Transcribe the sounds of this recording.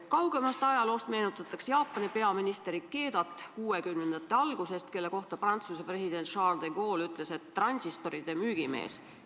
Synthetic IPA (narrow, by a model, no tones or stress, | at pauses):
kɑwɡ̥e̞mɑst̪ɑjɑlo̞ːst̪me̞ːnut̪ːˑɑt̪ːˑɑksjɑːpːˑɑnipe̞ɑminist̪eɾikːe̞ːd̪̥ɑt̪ːˑkuːe̞kymnend̪ɑt̪ːˑeɑlɡ̥use̞st̪ke̞lːe̞ko̞ht̪ɑprɑnt̪susepre̞sid̪̥e̞nt̪ʃɑːrd̪eɡ̥o̞ːlyt̪ˑle̞se̞t̪ːrɑnʲsist̪o̞ɾid̪̥e̞myːɡ̥ime̞̰ːs